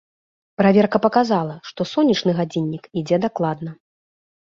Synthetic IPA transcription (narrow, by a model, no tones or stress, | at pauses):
pɾavʲɛrkɐpɐkazalˠɐʂt̪ɔsɔnʲːit͡ʂnɨɣad͡zʲinʲːikid͡zʲɛd̪aklˠad̪nɐ